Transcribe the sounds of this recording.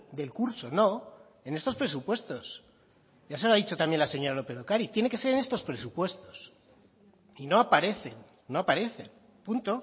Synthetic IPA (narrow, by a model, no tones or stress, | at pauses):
d̪e̞lkuɾso̞no̞ | e̞ne̞st̪o̞spɾe̞supwe̞st̪o̞s | jas̬eloaðit͡ʃo̞t̪amje̞nlaseɲo̞ɾalo̞peðo̞kaɾit̪je̞ne̞ke̞se̞ɾene̞st̪o̞spɾe̞supwe̞st̪o̞s | ino̞apaɾe̞θe̞nː | o̞apaɾe̞θe̞n | punt̪o̞